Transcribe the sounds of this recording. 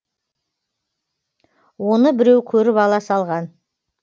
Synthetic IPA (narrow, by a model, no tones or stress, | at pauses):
wo̞nəbɪɾewkʲʰɵɾɪpɑlˠɑsɑlˠʁɑn